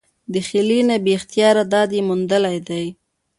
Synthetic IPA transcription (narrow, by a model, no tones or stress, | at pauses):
d̪əxɪlinabext̪jɑɾad̪ɑd̪jemund̪əlajd̪aj